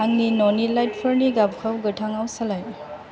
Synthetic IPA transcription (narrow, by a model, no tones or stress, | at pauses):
aŋninɔnilajt̚pʰəɾniɡab̚kʰawɡɯtʰaŋawsalaj